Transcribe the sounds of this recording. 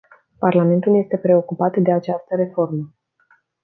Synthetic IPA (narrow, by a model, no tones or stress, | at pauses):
parlame̞nt̪ulje̞st̪e̞pɾe̞o̞kupat̪d̪e̞at͡ʃast̪əɾe̞fo̞rmə